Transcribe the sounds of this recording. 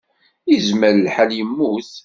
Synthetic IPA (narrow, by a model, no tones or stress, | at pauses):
izməɾlħaljəmːuθ